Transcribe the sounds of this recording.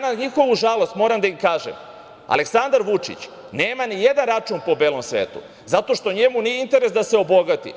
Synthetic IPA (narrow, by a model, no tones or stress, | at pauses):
naɲixo̞ʋuʒalˠost̪mo̞ːɾamd̪aimkaːʒḛm | a̰le̞ksand̪aɾʋut͡ʃḭt͡ɕ | ne̞ːmanije̞d̪anɾat͡ʃunpo̞be̞ːlo̞msʋeːt̪ṵ | zat̪o̞ʃt̪o̞ɲe̞munieint̪e̞ɾesd̪aseo̞bo̞ɡat̪ḭ